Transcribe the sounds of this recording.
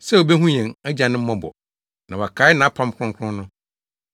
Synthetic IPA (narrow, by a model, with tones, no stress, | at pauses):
sɛ˦o˨be˦ɦũ˦ɲɛ̃˨ŋæ˦d͡ʑa˨nɪ̃˦m̩˦mɔ̃˦bɔ̰˨ | nã˨wa˨kʰa˨˦nã˨a˦pʰã˦m˦kʰʊ̃˦ŋkʷʰʊ̃˦nʊ̃˦